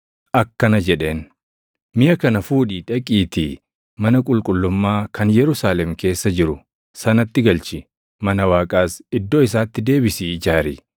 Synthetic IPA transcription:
ʔɐkːɐnɐd͡ʒɛᶑe̞ːn | mɪjɐkɐnɐfuːᶑiːᶑɐkʼiːt̪ɪ | mɐnɐkʼʊlkʼʊlːʊmːaːkʰɐnjɛɾʊsaːlɛmke̞ːsːɐd͡ʒɪɾʊ | sɐnɐt̪ːɪɡɐlt͡ʃɪ | mɐnɐwaːkʼaːsɪd̪ːo̞ːɪs̬aːt̪ːɪd̪e̞ːbɪsɪd͡ʒaːɾḭː

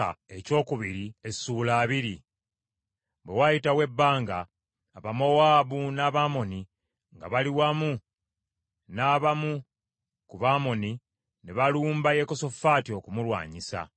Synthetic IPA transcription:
a̰e̞co̞ːkuβiɾiesuːlaːβiɾi | bwe̞wajitawe̞bːaːŋɡaː | βamo̞waːbunaːβamo̞ni | ŋɡa̰βaliwamu | naːβamu | kuβaːmo̞ni | neβaluːmbaje̞ko̞so̞faːtio̞kumulwa̰ːɲisa̰

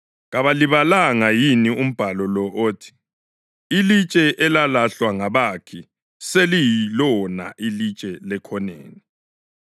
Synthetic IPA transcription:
ɣaβaliβalaŋajinium̩b̥ʱalɔlɔʔoːtʰi̥ | ilit͡ʃʼɛʔɛlalaɬwaŋaβakʰi | selijilɔna̰ʔilit͡ʃʼɛlɛkʰɔnḛːni

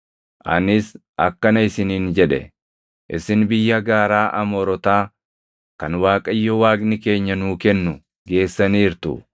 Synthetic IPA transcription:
ʔɐ̰nɪs | ɐ̰kːɐnɐɪsɪniːnd͡ʒɛᶑɛ̰ | ʔɪsɪnbɪjːɐɡaːɾaːʔɐmɔɾɔt̪aː | kɐnwaːkʼɐɪjːɔwaːɡnɪke̞ːɲːɐnuːkɛnːʊ | ɡe̞ːsːɐniːɾt̪ʊ̰

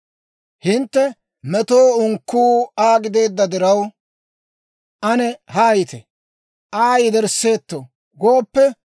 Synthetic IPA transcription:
hɪnt̪ːɛ | mɛt̪oːʊŋkːuːaːɡɪd̪e̞ːd̪ːɐd̪ɪɾɐw | ʔɐnɛhaːjɪt̪ɛ | ʔaːjɪd̪ɛɾsːe̞ːt̪ːo | ɡo̞ːpːɛ

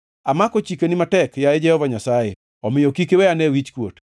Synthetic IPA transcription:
amakot͡ʃikenimatɛkjaed͡ʒɛhɔvaɲasaje | ɔmɪjokikewɛanɛwit͡ʃkwot

